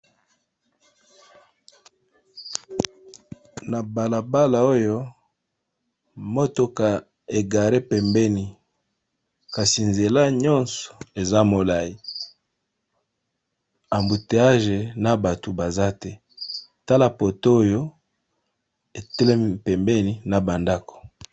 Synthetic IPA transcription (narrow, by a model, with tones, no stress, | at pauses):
na˨ba˨la˨ba˦la˨o˦jo˦ | mo˦to˦ka˨ | e˨ɡa˨ɾe˦pɛ˨mbɛ˦ni˨ | ka˨si˨nze˨la˦ɲɔ˦nsɔ̥˨e˨za˦mo˨la˨i˨ | a˨mbu˨te˨a˦ʒe˨na˨ba˨to˨ba˨za˦tɛ˦ | ta˦la˦po˨to˦o˦jo˦ | e˨te˦le˦pɛ˨mbɛ˦ni˨na˨ba˨nda˦ko̥˨